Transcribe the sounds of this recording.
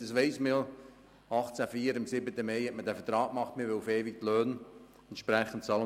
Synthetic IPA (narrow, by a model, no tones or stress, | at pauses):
d̥ɑsʋɛɪsmi | ɑχt͡sæfiːəɾɪmsɪbətəmɛɪhɛtmədæfətɾɑːk̚mɑχtmɪʋɪlufeːvik̚tløːn | ɛntʃpɾɛχən̩t̚t͡sɑːlə